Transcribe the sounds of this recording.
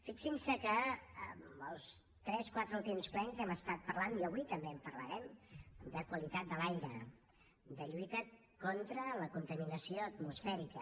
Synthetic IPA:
fiksinsəkəəməlˠs | t̪ɾɛskwat̪ɾəulˠt̪̬imsplɛnzɛməst̪at̪̚pərlaniəβujt̪əmbeəmpərləɾɛmd̪əkwəlit̪at̪̚d̪əlajɾə | d̪əʎuit̪ə | kɔnt̪ɾələkunt̪əminəsioət̪musfɛɾikə

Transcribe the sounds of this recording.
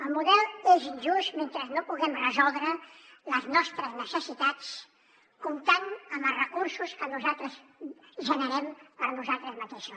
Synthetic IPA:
əlˠmuðɛlˠezinʲʒust̪ment̪ɾəznopuɣɛmrəzɔlˠd̪ɾələznɔst̪ɾəznəsəsit̪at͡s | kumt̪anəməlˠrəkuɾsuskənuzalˠt̪ɾəzʒənəɾɛmpəɾnuzalˠt̪ɾəzmət̪eʃu

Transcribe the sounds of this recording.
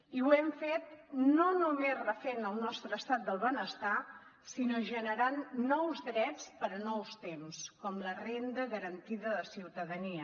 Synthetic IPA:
iwɛmfet̪̚nonumezrəfenəlˠnɔst̪ɾəːst̪at̪̚d̪əlˠβənəst̪a | sinoʒənəɾanːɔwzðɾɛt͡spəɾənɔwst̪emskɔmlərend̪əɣəɾənt̪iðəðəsiwt̪əðəniə

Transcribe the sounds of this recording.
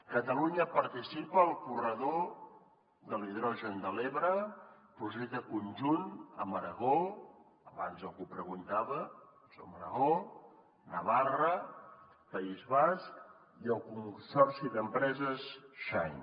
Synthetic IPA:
kət̪əluɲəpəɾt̪isipəːlˠkurəðo | ðəliðɾɔʒənd̪əleβɾə | pɾuzet̪əkunʲʒunə̰məɾəɣo | əβa̰nzəlˠɣupɾəɣunt̪aβə | so̰məɾə̰ɣo | nəβarə | pəizβask | iəlˠkunsɔrsiðəmpɾɛzəsʃaj

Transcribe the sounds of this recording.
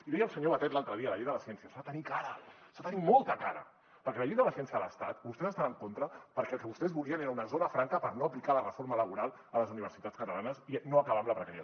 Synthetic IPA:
iðɛjəlˠsəɲoβət̪ɛt̪lalˠt̪ɾəðiələʎejðələsiɛnsiəsaat̪ənikaɾəsat̪ənimolˠt̪əkaɾə̰ | pəɾkɛləʎejðələsijɛnsiəðələst̪at̪bust̪ɛzəst̪anəŋkont̪ɾəpəɾkɛlˠkəβust̪ɛzβuliəneɾunəzonəfɾaŋkəpəɾnoəplikalərəfoɾmələβuɾalˠ | ələzuniβ̞əɾsit̪at͡skət̪əlanəsinoəkəβ̞amləpɾəkaɾiə

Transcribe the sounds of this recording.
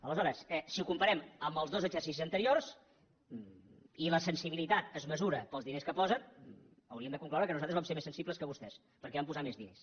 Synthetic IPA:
ələzɔɾəsɛsiukumpəɾɛməmbəlˠzðozəʒərsis̬izənt̪əɾiors | iləsənsiβilit̪at̪əzməzuɾəpəlˠzðineskəpɔzən | əwɾiəmd̪əkuŋklawɾəkənuzat̪ɾzβamseɾmesənsibləskəβust̪ɛs | pəɾkɛβampuzamezðines

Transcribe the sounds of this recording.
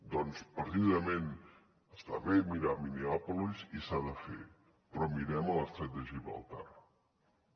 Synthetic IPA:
d̪ɔnspəɾt̪iðəmen | əst̪a̰βemiɾamineɔpulizisaðəfḛ | pɾɔmiɾɛmələst̪ɾɛt̪̚d̪əʒiβə̰lˠt̪a̰ɾ

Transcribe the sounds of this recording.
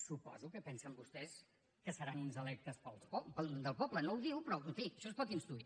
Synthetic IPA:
supɔ̰zukəpɛnsəmbust̪ɛs | kəsəɾanunzəlɛk̚t̪əspəlˠsɔpəd̪əlˠpɔblənowðiwpɾɔut̪iəʃɔspɔt̪inst̪ɾui

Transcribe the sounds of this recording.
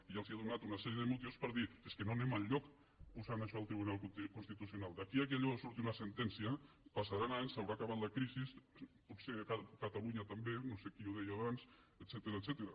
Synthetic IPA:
iʒalˠziaðunat̪unasɛɾjeðemut̪iuwspəɾðieskenonemaʎʎːɔk | pusanaʃɔəlˠt̪ɾiβunalˠkkunst̪it̪usjunalˠd̪akiakiaʎɔasuɾt̪iunasent̪ɛnsia | pasaɾanaɲsawɾaːkaβat̪lakɾisisputsekakat̪aluɲat̪ambenosekiuðɛjaβans | ət̪sɛt̪eɾat̪sɛt̪eɾa

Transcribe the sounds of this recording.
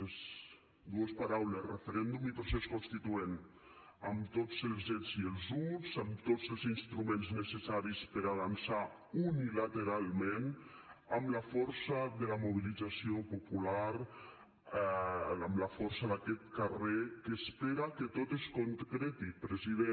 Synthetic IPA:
ez | d̪uespaɾawlesrefeɾɛnd̪umipoɾseskonst̪it̪uen | əmt̪od͡zelˠzezielˠzuzamt̪ozəlˠzinst̪ɾumẽnznəsesaɾispəɾaβansa | unilat̪eɾalˠmẽn | amlafɔɾsaðəlamuβ̞ilid͡zasiopopulaɾ | əmlafɔɾsaðakɛt̪karekəspeɾakət̪ot̪eskoŋt̪kɾɛt̪ipɾeziðe

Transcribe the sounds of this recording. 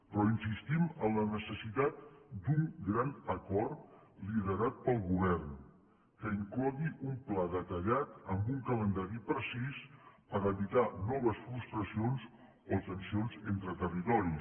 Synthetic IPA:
pɾɔinsist̪iməmlənəsəsit̪at̪̚d̪uŋɡɾanəkɔrt̪liðəɾat̪̚pəlˠɣuβ̞ɛrn | kəiŋklɔɣiʔumplaðət̪əʎat̪əmbuŋkələnd̪aɾipɾəsispəɾəβit̪anɔβ̞əsfɾust̪ɾəsionz | ot̪ənsionzent̪ɾət̪ərit̪ɔɾi

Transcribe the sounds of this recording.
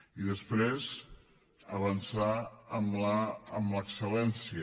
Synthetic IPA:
iðəspɾez | əβənsaəmlaːmləksəlɛnsiə

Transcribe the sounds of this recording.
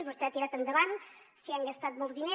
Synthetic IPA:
βost̪eat̪iɾat̪and̪eβaŋ | siaŋɡast̪at̪mowzðine

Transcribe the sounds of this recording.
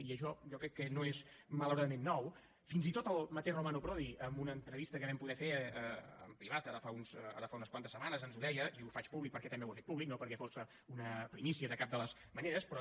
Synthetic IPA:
iəʃɔjɔkɾɛkːənoez | mələwɾaðəmenːɔw | finzit̪ot̪əlˠmət̪ɛʒrumanupɾɔðiəmbunəːnt̪ɾəβist̪əkəβɛmpuðɛfeəə̰mpɾiβat̪aɾəfaunsa̰ɾəfaunəskwant̪əsəmanəzənzuðɛjəiufat͡ʃpuβlik̚pəɾkɛt̪əmbewəfet̪̚puβliknopəɾkɛfosə | unəpɾimisiəðəkap̚d̪ələzməneɾəspɾɔ

